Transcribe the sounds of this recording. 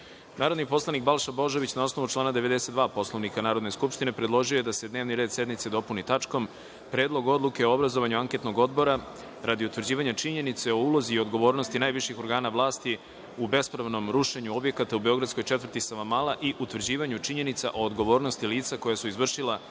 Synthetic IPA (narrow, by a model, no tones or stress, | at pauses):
naːɾo̞d̪nipo̞slˠanik̚balˠʃabo̞ʒo̞ʋit͡ɕnao̞snoʋut͡ʃlaːnad̪eʋe̞d̪eset̪d̪ʋaːpo̞slˠo̞ʋnikanaːɾo̞d̪ne̞skupʃt̪inepɾe̞d̪lˠo̞ʒioje̞d̪ase̞d̪neːʋniɾe̞ːd̪sje̞d̪mit̪se̞d̪o̞punit̪at͡ʂko̞m | pɾe̞ːd̪lˠo̞ɡo̞d̪lˠuke̞oobɾazo̞ʋaɲuaŋke̞t̪no̞ɡo̞d̪bo̞ɾa | ɾad̪iut̪ʋrd͡ʑiːʋaɲat͡ʃiɲe̞nit̪se̞o̞uːlˠo̞ziːo̞d̪ɡo̞ʋo̞ːɾnost̪inaːjʋiʃixoɾɡaːnaʋlˠaːst̪i | ube̞spɾaʋno̞mɾuʃeɲuo̞bje̞kat̪aube̞o̞ɡɾad̪sko̞jt͡ʃet̪vər̩t̪isaʋamalaʔiʔut̪ʋrd͡ʑiːʋaɲut͡ʃiɲe̞nit̪saʔo̞ːd̪ɡo̞ʋo̞ːɾno̞st̪iliːt̪sako̞jasuizʋr̩ʃilˠa